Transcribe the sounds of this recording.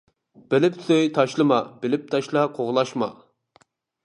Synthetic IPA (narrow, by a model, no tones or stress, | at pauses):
b̥ɪlɪpsøjt̪ʰɑʃlˠɨmɑbɪlɪp̚t̪ʰɑʃlˠɑqʰoʁlˠɑʃmɑ